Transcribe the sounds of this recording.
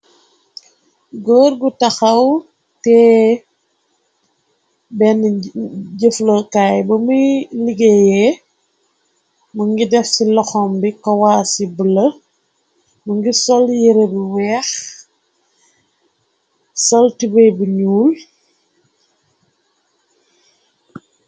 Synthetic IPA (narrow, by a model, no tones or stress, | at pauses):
ɡɔːɾɡutɐxɐw | tɛː | bɛn | ɟəfləkaːjbɐmujliɡejɛ | muŋɡidɛfsilɔxɔmbikɔwaːsibəlɐ | mɐŋɡisɔljiɾebuwɛːx | sɔltibɐjbuɲuːl